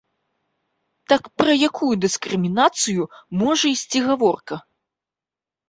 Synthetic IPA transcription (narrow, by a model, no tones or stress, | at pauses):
t̪akpɾɐjakʰujud̪ɨskɾɨmʲinat̪sɨjumɔʐɐisʲt͡sʲiɣavɔrkɐ